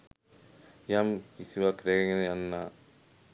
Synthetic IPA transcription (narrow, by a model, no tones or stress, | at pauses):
jamkisiʋakɾeŋnanːa